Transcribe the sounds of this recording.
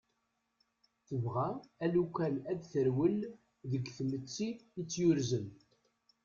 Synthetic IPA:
θəvʁæælukʷælæd̪θəɾwəl | ðəɡθmət͡sːiət͡sːjʊɾzən

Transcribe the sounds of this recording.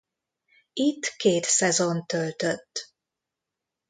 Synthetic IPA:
it̪ːkeːt̪sɛzont̪ølt̪øt̪ː

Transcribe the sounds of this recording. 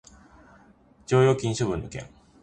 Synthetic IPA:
d͡ʑo̞ːjo̞ːkʲĩɰ̃ɕoβɯ̟̃nokḛ̃ŋ

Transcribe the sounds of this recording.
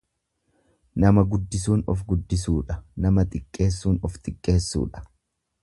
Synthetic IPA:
nɐmɐɡʊd̪ːɪsuːnɔfɡʊd̪ːɪs̬uːᶑɐnɐmɐt̪ʼɪkʼːe̞ːsːuːnɔft̪ʼɪkʼːe̞ːsːṵːᶑɐ̥

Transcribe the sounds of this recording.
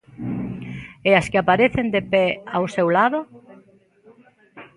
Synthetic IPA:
easkɪapaɾeθend̪epɛawsewlaðo

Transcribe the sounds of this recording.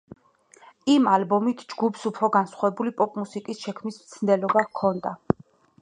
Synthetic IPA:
imalbɔmit̪ʰd͡ʒɡupʰsupʰɾɔɡansχwavɛbulipʼɔpʼmusikʼisʃɛkʰmismt̪sʰnd̪ɛlɔbakʰɔnd̪a

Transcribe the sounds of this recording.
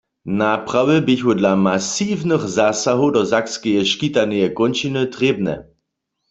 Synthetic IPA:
napʁawɪbɪçɦʊdlamasiːvnəxzasaɦodɔzakskɛjɛʃkit̪anɛjɛkɔnt͡ʃinɨt̪ʁeːb̚nɛ̰

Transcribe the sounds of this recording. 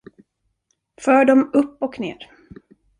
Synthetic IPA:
fœːɖɔmɵpːɔkneːɾ

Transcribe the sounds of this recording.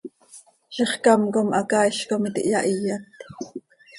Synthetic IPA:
ʃiχkɑmkomʔɑkɑːiʃkomit̪ḭʔjɑʔijɑt̪

